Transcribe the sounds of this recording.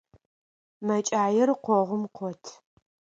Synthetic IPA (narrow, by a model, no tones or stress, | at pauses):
mɐt͡ʃʼaːjɛrqʷɔʁʷʊmqʷʰɔtʰ